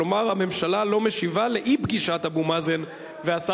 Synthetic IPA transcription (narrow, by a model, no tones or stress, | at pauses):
omaʁame̞mʃalalo̞meʃivale̞ʔibɡiʃat̪abumazen | veasa